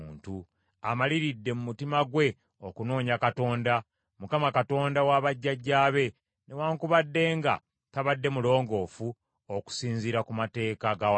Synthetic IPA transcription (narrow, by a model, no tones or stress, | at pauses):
ntu | amaliɾidːe̞mumutimaɡwe̞ | o̞kuno̞ːɲakato̞ːnda | mukamakato̞ːndawaβaɟːaɟːaːβe̞ | nʔe̞waːŋkuβadːe̞ːŋɡa̰ | taβadːe̞mulo̞ːŋɡo̞ːfu | oku̥siːnziɾakumate̞ːkaɡaw